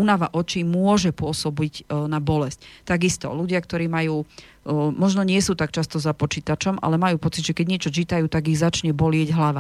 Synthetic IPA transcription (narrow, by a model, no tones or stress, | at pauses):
unaʋaʔɔt͡ʃimʊɔʒɛpʊɔsɔbiɟnabɔlɛsct̪aɡist̪ɔ̰luɟɪakt̪ɔɾiːmajuː | mɔʒnɔɲɪɛsuːt̪ak̚t͡ʃast̪ɔzapɔt͡ʃiːt̪at͡ʃɔmʔa̰lɛmajuːpɔt͡sid̪ʒɛkɛɟɲɪɛt͡ʃɔt͡ʃit̪ajuːt̪aɡiɣzat͡ʃɲɛbɔlɪɛɟɦlaʋa